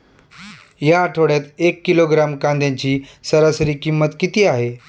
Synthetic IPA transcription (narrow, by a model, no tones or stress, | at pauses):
jaːʈʰoɽjat̪ekːiloɡɾamkãnd̪ʱjãɲt͡ɕiːsəɾasəɾiːkimːət̪kit̪iːaɦe